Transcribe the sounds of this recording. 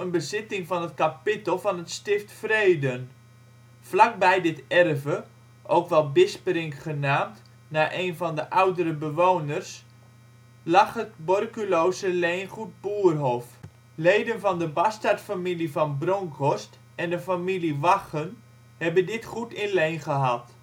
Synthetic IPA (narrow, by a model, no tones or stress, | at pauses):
ənbəzɪtɪŋfɔnətkapɪtəl̩ˠvɔnətstɪftfreːdən | flak̚bɛjdɪtɛrvə | ʔowkʋɛlˠbɪsprɪŋkχənaːmt | naːʔeːnvɔndəʔawdəɾəbəʋownərs | laχətbɔrkyloːsəlejnχut̚buːərɦof | lejdənvɔndəbastartfamilivɔnbroŋkʰɔst | ɛndəfamiliʋaχən | hɛbəndɪtχutɪnlejnχəɦat